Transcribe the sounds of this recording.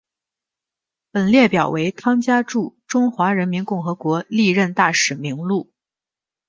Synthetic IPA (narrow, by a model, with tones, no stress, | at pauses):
pə˨˩nljɛ˥˩pjɑ˨˩ʊwe˧˥ɪt̪ʰɑ˥ŋt͡ɕja˥ʈ͡ʂu˥˩ʈ͡ʂʊ˥ŋxwa˧˥ɻə˧˥nmi˧˥nkʊ˥˩ŋxɤ˧˥kwɔ˧˥li˥˧ɻə˥˧nt̪a˥˩ʂɻ̩˨˩mi˧˥ŋlu˥˩